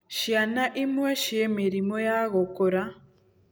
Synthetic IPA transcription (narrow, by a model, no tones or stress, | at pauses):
ʃjanaʔimweʃiemiɾimojaɣokoɾa